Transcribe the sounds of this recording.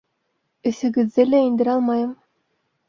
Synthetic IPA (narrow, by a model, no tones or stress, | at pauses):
ɵ̆θɵ̆ɡɘ̆ðːɘlæind̪ɘɾɑlˠmɑjɤm